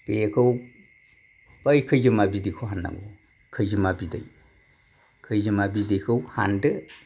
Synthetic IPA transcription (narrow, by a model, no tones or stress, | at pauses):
pekʰɯw | əjkʰɯjzɯmabidikʰoɦanːa̰ŋɡo | kʰɯjzɯmabidɯ̰j | kʰɯjzɯmabidijkʰɯwha̰ndɯ